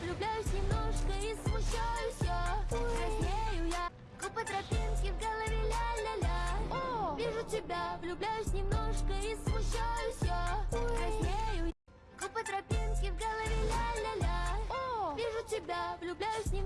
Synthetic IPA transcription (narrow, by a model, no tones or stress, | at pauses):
vlʲʊblʲæjʊsʲnʲɪmnoʂkəismʊɕːajʊsʲoɾɐsʲmʲejʊja | kʊpət̪ɾɐpʲinkʲɪvɡəlˠəvʲɪlʲalʲalʲaovʲiʐʊtʲɪbʲavlʲʊblʲæjʊsʲnʲɪmnoʂkəismʊɕːajʊsʲoɾɐsʲmʲejʊ | kʊpət̪ɾɐpʲinkʲɪvɡəlˠəvʲɪlʲalʲalʲaovʲiʐʊtʲɪbʲavlʲʊblʲæjʊsʲnʲɪ